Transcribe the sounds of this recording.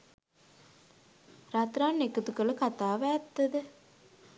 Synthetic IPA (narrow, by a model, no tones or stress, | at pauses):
rat̪ɾaːnːekut̪ukələkat̪aːʋæːt̪ːəd̪ə